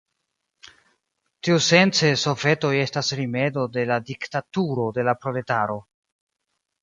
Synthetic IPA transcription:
tiuse̞nt͡se̞so̞fe̞to̞je̞stasɾime̞do̞de̞ladiktatuɾo̞de̞lapɾo̞le̞taɾo̞

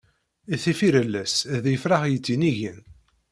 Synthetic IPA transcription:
iθifiɾəlːæsðjəfɾaχjət͡sːiniʝən

